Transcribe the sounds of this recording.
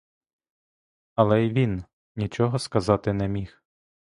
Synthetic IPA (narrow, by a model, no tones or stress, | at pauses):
ɐlˠɛiʋʲin | nʲit͡ʃɔɦɔskɐzɑt̪ɪnɛmʲix